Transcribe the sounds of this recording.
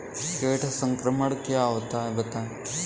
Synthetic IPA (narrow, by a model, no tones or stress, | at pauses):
keːʈʰsɐ̃ŋkɾəməɽkjaːʋt̪aːebɐt̪aː